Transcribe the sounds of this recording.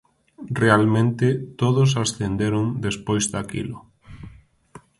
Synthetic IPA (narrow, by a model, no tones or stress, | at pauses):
realmẽnt̪ɪt̪oðʊs̬asθend̪eɾʊŋd̪espojzd̪akḭlʊ